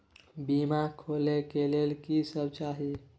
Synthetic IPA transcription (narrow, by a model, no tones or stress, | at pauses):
bimakʰolekelelkisəbt͡ʃaɦi